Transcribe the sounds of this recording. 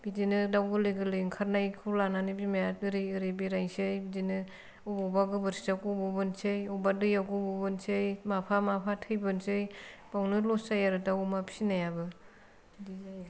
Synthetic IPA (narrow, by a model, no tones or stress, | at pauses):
bidinɯdawɡɯlɯɡɯlɯŋkʰaɾnajkʰɯlananibimajat̚biɾɯjɯɾibiɾajsejbidinɯ | ubɔbaɡɯbɯɾsi̥dakubɔbɯnsejɔbadɯjaɡɯbɔbɯnsejmapʰamapʰatʰɯjbɯnsɯjb̥awnɯlɔsajaɾɯdawumapʰinajabɯ | di